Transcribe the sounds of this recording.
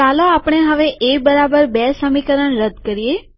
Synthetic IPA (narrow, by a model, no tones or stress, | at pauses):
kaloapɳ̃eɦəʋeʔebəɾabəɾbɛsəmikəɾəɳɾəd̪kəɾije